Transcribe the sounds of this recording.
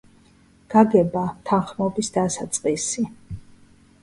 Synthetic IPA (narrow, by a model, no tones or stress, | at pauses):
ɡ̥aɡɛbamt̪ʰanχmɔbisd̪asat̪sʼqʼisi